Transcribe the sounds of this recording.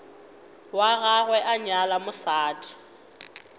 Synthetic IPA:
waɣaɣwɛʔaɲalamʊsaːtʼi̥

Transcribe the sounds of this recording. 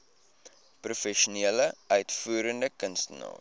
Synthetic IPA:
prufɛʃuniələœɥtfuːɾəndəkənstənɑ̰ː

